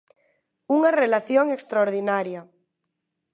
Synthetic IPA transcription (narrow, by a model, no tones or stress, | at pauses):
uŋarelaθjoŋekst̪ɾaoɾðinaɾja